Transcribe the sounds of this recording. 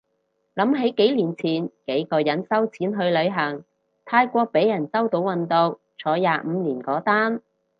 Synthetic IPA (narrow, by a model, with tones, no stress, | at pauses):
lɐ˨˥mɦe˨˥jke˨˥jliː˨˩nt͡sʰiː˨˩nke˨˥jkɔː˧jɐ˨˥nsɐ˥wt͡sʰiː˨˥nɦɵ˧ɥlɵ˨˧ɥɦɐ˨˩ŋ | t̪ʰaː˧jkʷɔː˧k̚pe˨˥jɐ˨˩nsɐ˥wt̪o˨˥wwɐ˨nt̪o˨˧w | t͡ʃʰɔː˨˧˥jaː˨˧m̩˨˧liː˨˩nkɔː˨˥t̪aː˥n